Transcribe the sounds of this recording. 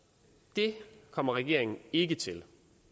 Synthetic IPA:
d̥e̝kʰɒ̽m̰ɐʁɛɡ̥e̝ɐeŋn̩e̝ɡ̥ət͡sʰe̝l

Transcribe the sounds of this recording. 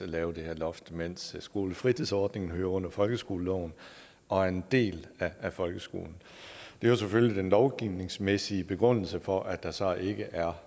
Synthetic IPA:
ælɛːʊəd̥e̝heɐ̰lɒ̽fd̥men̰ssɡ̥o̝ːləfʁit͡sʰiðˠsɒːd̥ne̝ŋn̩ɦøːɐɔ̽n̰ɐfɒ̽lɡ̥əsɡ̥o̝ːləlɔʊ̰n̩ | ʔɒ̽æɐe̝nd̥e̝̰ːlææfɒ̽lɡ̥əsɡ̥o̝̰ːln̩ | d̥e̝joseføllid̥enlɒʊɡ̥iʊne̝ŋsmesiəb̥e̝ɡ̥ʁɔn̰l̩səfɒ̽ʔæd̥ɑ̈sɒ̽ʔe̝ɡ̥əʔæɐ

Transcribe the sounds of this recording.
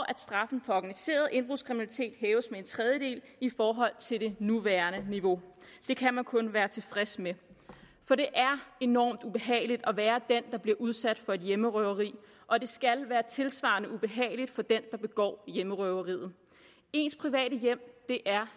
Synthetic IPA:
ʔæd̥sd̥ʁɑ̈fn̩fɒ̽ɒɡ̥ænise̝̰ːɐð̞̩ˠʔe̝nb̥ʁuðˠskʁiminælit͡sʰe̝̰ːd̥ɦɛːʊəsmee̝nt͡sʰʁɛð̞ˠjəd̥e̝̰ːlifɒːɦɒ̽l̰t͡sʰe̝ld̥e̝nuʋæːɐnəniʋo̝d̥e̝kʰæmænkʰɔ̽nʋæːɐt͡sʰe̝fʁɛsme | fɒ̽ɾ̥e̝ʔæɐe̝nɒ̰ːmd̥ub̥e̝ɦɛ̰ːɪlid̥ɒ̽ʋæːɐd̥end̥ɑ̈b̥liɐʔuð̞ˠsæd̥fɒ̽e̝d̥jeməʁœʊɐʁḭː | ʔɒ̽d̥e̝sɡ̥ælʋæːɐt͡sʰe̝lsʋɑ̰̈nəʔub̥e̝ɦɛ̰ːɪlid̥fɒ̽d̥end̥ɑ̈b̥e̝ɡ̥ɒ̰ːjeməʁœʊɐʁḭːð̞̩ˠ | e̝ːnspʰʁiʋɛ̰ːɾəjem̰d̥e̝ʔæɐ

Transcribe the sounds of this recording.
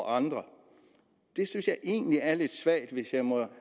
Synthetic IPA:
ɑ̈nd̥ʁɐ | d̥e̝synsjɑ̈ɪʔe̝̰ːnəliæɐle̝d̥sʋæɐ̰d̥ʋe̝sjɑ̈ɪmɒ̽

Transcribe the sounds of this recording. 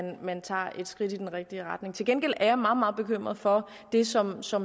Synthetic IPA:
nmænt͡sʰɑ̰̈ːe̝d̥sɡ̥ʁid̥id̥enʁɛɡ̥̚d̥iəʁɑ̈d̥ne̝ŋt͡sʰe̝lɡenɡ̥el̰æɐjɑ̈mɑ̈ːð̩ˠmɑ̈ːð̞̩ˠb̥e̝kʰøm̰ʁɐð̩ˠfɒ̽ | d̥e̝sɒ̽msɒ̽m

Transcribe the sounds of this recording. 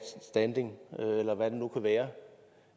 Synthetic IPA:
sd̥ænd̥e̝ŋøelɐʋæd̥e̝nukʰuʋæːɐ

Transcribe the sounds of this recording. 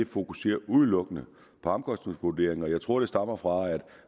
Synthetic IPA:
e̝fo̝kuse̝̰ːɐʔuð̞ˠlɔ̽ɡ̥ənə | pʰɒ̽ɑmkʰɒ̽sd̥ne̝ŋsʋud̥e̝ːɐeŋɒ̽jɑ̈ɪt͡sʰʁo̝ɐ̰ɾ̥e̝sd̥ɑ̈m̰ɐfʁɑ̈æd̥

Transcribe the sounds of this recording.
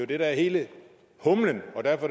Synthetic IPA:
jo̝d̥e̝ɾ̥ɑɐhe̝ːlə | hɔmlənɒ̽d̥æɐfɒ̥

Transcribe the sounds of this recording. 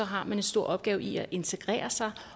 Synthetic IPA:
ɒ̽ɦɑ̈mæne̝nsd̥o̝ɐ̰ɒ̽b̥̚ɡ̥ɛːʊʔiæʔe̝nt͡sʰeɡ̥ʁɛ̰ːɐsɑ̈ɪ

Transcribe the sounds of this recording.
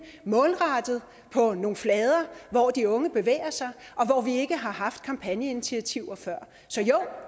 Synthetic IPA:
mɔ̽ːlʁɑ̈d̥ð̞̩ˠ | pʰɒ̽no̝ːflɛːð̞ˠɐʋɒd̥iɔ̽ŋəb̥e̝ʋḛːɐsɑ̈ɪʔɒ̽ʋɒʋie̝ɡ̥əɦɑ̈ɦɑ̈fd̥̚kʰɑ̈mpʰænjəe̝nit͡sʰiæt͡sʰiʊ̰ɐfɶɐ̰ | sɒ̽jɔʊ̰

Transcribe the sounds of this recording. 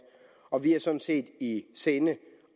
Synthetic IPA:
ɒ̽ʋiæɐsɒ̽n̥n̩se̝̰ːd̥iseːnə

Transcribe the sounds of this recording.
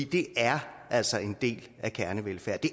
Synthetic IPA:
iːd̥e̝æɐ | ʔæl̰sɒe̝nd̥e̝̰ːl | ækʰæɐnəʋelfæɐ̰d̥e̝

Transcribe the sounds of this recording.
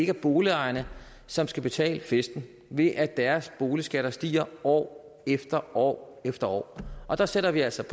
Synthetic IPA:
e̝ɡ̥æɐb̥o̝ːliɑ̈ɪɐnə | sɒ̽msɡ̥æb̥e̝t͡sʰɛ̰ːləfesd̥n̩ | ʋe̝ʔæd̥æɐsb̥o̝ːlisɡ̥æɾ̥ɐsd̥ḭːɐɒ̰ː | efd̥ɐɒ̰ː | efd̥ɐɒ̰ːʔɒ̽d̥ɑ̈seɾɐʋiæl̰sɒ̽pʰ

